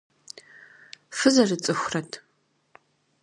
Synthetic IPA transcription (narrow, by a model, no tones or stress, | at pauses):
fɨzɐrɨt͡sʼɨxʷrɐtʰ